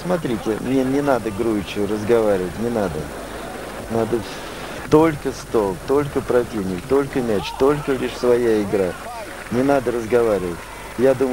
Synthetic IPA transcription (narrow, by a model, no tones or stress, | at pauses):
smɐt̪̬ɾʲitʲɪmnʲenʲɪnad̪əɡɾujɪt͡ɕʊrəzɡɐvaɾʲɪvətʲnʲɪnad̪ə | nad̪ə | t̪o̞lʲkəst̪olˠt̪o̞lʲkəpɾɐtʲivnʲɪkt̪o̞lʲkəmʲæt͡ɕt̪o̞lʲkəlʲiʂsvɐjaɪɡɾa | nʲɪnad̪əɾəzɡɐvaɾʲɪvətʲ | jad̪umə